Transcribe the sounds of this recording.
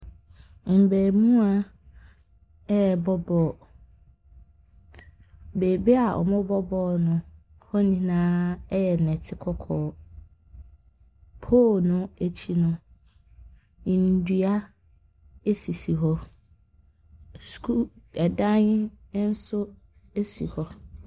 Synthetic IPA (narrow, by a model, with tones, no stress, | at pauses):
m̩˨bɛː˨m̃ũ˦a˦ | ɛ˦˨bɔ˦bɔː˦˨ | beː˨be˦a˨ʔɔ̰˨mɔ̃˦bɔ˦bɔː˦˨nʊ̃˨ | hɔ˦nĩ˦nãː˦jɛ˨nɛ̃˨tʰɪ˦kʰɔ˦kʰɔː˨˦ | pʰoː˦˨nʊ̃˦e˨t͡ɕʰi˦nʊ̃˨ | n̩˨˦dɥa˦ | e˦si˨si˨ɦɔ˦ | skʰu˦ɛ˨dã˦ɲɪ˦n̩˦sʊ˦ | e˦si˨hɔ˨